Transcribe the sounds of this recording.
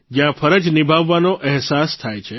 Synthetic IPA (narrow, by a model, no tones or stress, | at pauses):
d͡ʒjãfəɾəd͡ʒnibʱaʋːanoʔɛɦsast̪ʰajt͡ʃʰe